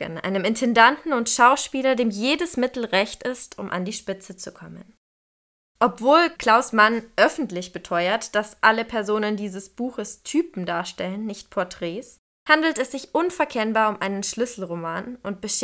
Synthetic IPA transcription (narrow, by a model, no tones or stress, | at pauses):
ə̰nʔa̰ɪnəmɪntʰɛndantn̩ʊntʃaʊʃpiːlɐdeːmjeːdəsmɪtl̩ʁɛçtɪstʰʊ̰mʔa̰ndiːʃpɪt͡sət͡sukʰɔmə̰n | ʔɔpv̥oːlkl̥aʊsmanʔœfn̩tlɪçb̥ətʰɔʏɐtd̥asʔaləpʰɛɐzoːnəndiːzəsb̥uːxəstʰyːpm̩daːɐʃtɛlənːɪçt̚pʰɔɐtʁ̥ɛːs | handl̩tɛsz̥ɪçʔʊnfɛɐkʰɛnbaːɐʊmʔaɪnənʃlʏsl̩ʁomaːnʔʊnt̚b̥əʃ